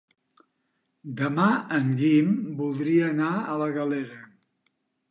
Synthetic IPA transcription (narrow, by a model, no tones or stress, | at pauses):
d̪əmaəŋɡimbulˠd̪ɾiəːnaələɣəleɾə